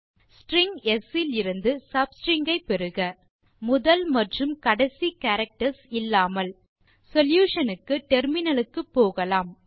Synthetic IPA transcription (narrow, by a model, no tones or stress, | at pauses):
sʈɾɪŋɡɛsɪlɪɾɯnd̪ɯsɐbsʈɾɪŋɡɐɪpːɛɾɯɣɐ | mʊðɐlmɐʈrɯmkɐɽɐsikaːɾɐk̚ʈɐɾsɪlːaːmɐl | sɔljuːʂɐnɯkːɯʈɛɾmɪnɐlɯkːɯpːoːɣɐlaːm